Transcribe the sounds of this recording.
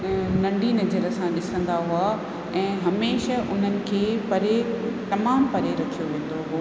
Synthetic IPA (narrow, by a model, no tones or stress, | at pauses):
nɐ̃ɳɖʱinɐd͡ʑəɾəsãɗɪsə̃n̆d̪aɦua | ɛ̃ːɦɐmeːʃəʔʊn̤ənɪ̆kʰeːpɐɾet̪ɐmaːmpɐɾeɾɐkʰijoʋẽːn̆d̪oɦoː